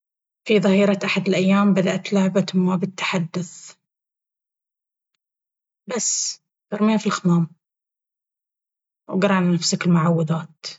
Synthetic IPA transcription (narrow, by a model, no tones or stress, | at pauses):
fiðˤɑhiːɾɑʔaħad̪ɪlʔajːaːmbad̪aʔt̪lʊʕbat̪mabɪt̪ːḁħad̪ːʊθ | basː | bɑɾˤmiːafilxɪmaːm | wɡɑɾˤɑnnafsaklmʊʕawːad̪aːt̪